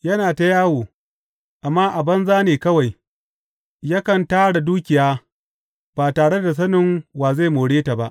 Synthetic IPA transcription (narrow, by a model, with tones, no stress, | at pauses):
jɐ˦naː˨ta˦jaː˦woː˨ | ʔa˨mːaː˦ʔa˨bɐ˦nzaː˦neː˨kɐ˦wa˨j | ja˦kɐ˨ntaː˦ɽa˨duː˦kʲɪ˨jaː˦ | b̥aː˨taː˨ɽe˦da˨s̬ɐ˦nɪ˨ŋwaː˨za˦˨moː˨ɽeː˦ta˨ba˦ʔ